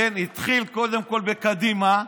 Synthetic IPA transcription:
enit̪χilko̞d̪e̞mko̞lbekad̪ima

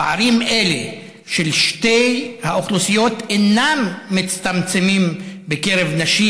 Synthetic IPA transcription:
aɾime̞lḛ | ʃelʃtejhaoχlusijo̞t̪enamːit͡st̪amt͡semimbekeʁevnaʃi

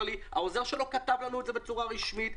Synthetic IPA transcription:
liha̰ozeʁʃelo̞kat̪avlanuetze̞be̞t͡suʁaʁiʃmit̪

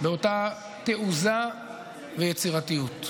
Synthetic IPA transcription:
beo̞ta | teʔuza | vejet͡siʁatijut

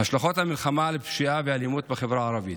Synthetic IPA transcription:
haʃlaxot̪hamilxamalebʃiʔaveʕalimut̪̚bexevɾaʕaɾˤɑvit̪

